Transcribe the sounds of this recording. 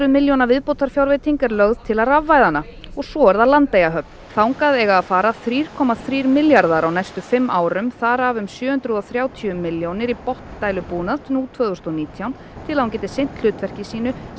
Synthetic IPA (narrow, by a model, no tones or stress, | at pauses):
ɾʏðmɪljownavɪðpowt̪ʰaɾ̥fjawɾvet̪ʰiŋkaɾlœɣð̥t̪ʰɪlaɾavːajðana | ɔɣsɔɛɾðalant̪ːejɣaɦœp̚n̥θawŋkaðɛɣaːðfaːɾaθɾiːɾ̥kʰɔːmaθɾiːɾmɪljaɾðaɾawnajst̪ʏfɪmːʔaːwɾʏmθaːɾavʏmsjʏːhʏnt̪ɾʏðɔθɾjaːwt̪ʰiʏmːɪljownɪɾipɔht̪nt̪aːjlʏpuːnat̪nuːlt̪ʰvœðʏst̪ɔniːt̪ʰjawn | t̪ʰɪlaðhuncɛːt̪ɪsejn̥t̪l̥ʏːt̪vɛr̥cɪsiːnʏ